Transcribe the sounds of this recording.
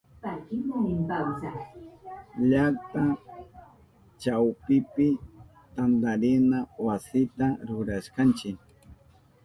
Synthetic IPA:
pakɪmʊnɪmpawsa | ʎak̚t̪a | t͡ʃawpɪpɪ | t̪and̪aɾɪnawasɪt̪aɾʊɾaʃkant͡ʃɪk

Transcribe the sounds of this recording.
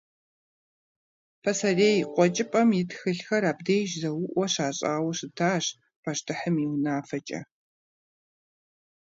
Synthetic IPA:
pʰɐsɐreːjqʷʼɔt͡ʃʼɪpʼɐmjɪtxɨɬxɐɾaːbdeːjʒzɐwʊʔʷɔɕaːɕʼaːwɐɕɨtʰaːɕ | pʰɐʃtʰɨħəmiwnaːfɐt͡ʃʼɐ̰

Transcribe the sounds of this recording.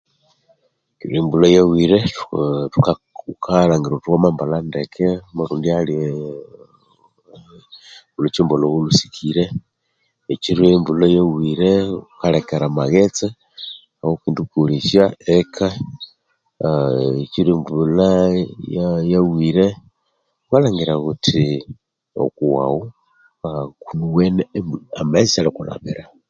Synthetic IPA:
tuɾimbulajawiɾettuka | kʰalaŋɡiɾotukomambalandekʰemaɾuːndiali | ulot͡ʃimbolowulusi̥kʰiɾeː | t͡ʃiɾembulajawiɾeukalekeɾamaɣet͡se | aokindukuɾiʃjaekʰa | et͡ʃiɾembulajajawiɾe | walaŋɡiɾaɣutʰi | o̰kuwa̰wu | kunuwenemamasisalikula̰βḭɾa

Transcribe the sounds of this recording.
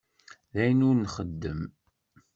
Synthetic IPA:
ðæjənʊɾnχəd̪ːəm

